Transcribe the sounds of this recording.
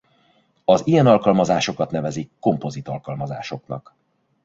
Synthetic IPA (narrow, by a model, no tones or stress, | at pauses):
ɒzijɛnɒlkɒlmɒzaːʃo̞kɒt̪nɛvɛzikːo̞mpo̞zit̪ɒlkɒlmɒza̰ːʃo̞knɒ̰k